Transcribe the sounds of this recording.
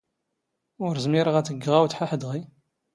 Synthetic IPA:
ʊɾzmiɾəʁæt͡sːəɡːʁawt͡sːħaħəd̪ʁi

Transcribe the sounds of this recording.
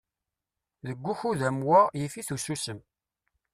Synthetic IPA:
ðəɡʷːuçuðæmwajifiθususəm

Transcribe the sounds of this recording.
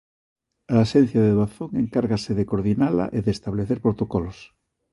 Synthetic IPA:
aːʃen̟θjaðeðwaθoŋeŋkaɾɣaseðekoɾðinala̰ʔeðest̪aβleθeɾpoɾt̪okolos

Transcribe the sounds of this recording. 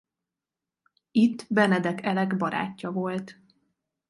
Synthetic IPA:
it̪ːbɛnɛd̪ɛkɛlɛɡbɒɾa̰ːcːɒvo̞lt̪

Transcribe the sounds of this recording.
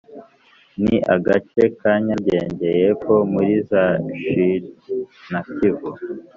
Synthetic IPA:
niʔa̰ɡat͡ʃe̞kaɲaɟe̞ːɲɟe̞jekʰo̞muɾizaʃiɾnakivo

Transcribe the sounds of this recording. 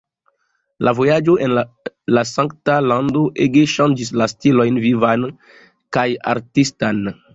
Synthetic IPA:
lʔavo̞jad͡ʒo̞ʔenlasãŋktalandoʔeɡeʃãnd͡ʒis̬lastilo̞jnvivan | kaja̰ɾtistan

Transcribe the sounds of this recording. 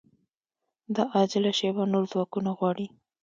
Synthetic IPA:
d̪əʔɑd͡ʒɪlaʃewanoɾzwɑkunaɣwɑɽi

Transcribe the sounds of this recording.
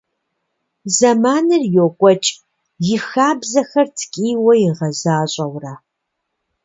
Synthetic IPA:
zɐmaːnɨrjokʷʼɔt͡ʃʼ | jɪxaːbzɐxɐrtʰkʼiːwɐjɪʁɐzaːɕʼɐwra

